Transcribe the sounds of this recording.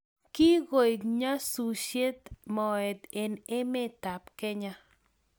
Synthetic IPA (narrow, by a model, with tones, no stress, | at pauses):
ki˦ɡo˨jɡɲa˦su˨ʃje˦t̪mɔ˨ɛ˨t̪e˨nɪ˦mɪ˦t̪a˨pkɛ˦ɲa˦